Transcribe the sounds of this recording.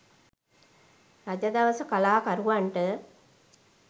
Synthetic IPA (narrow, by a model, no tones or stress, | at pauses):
ɾad͡ʒad̪ɐʋəsəkalaːkaɾuʋaɳʈə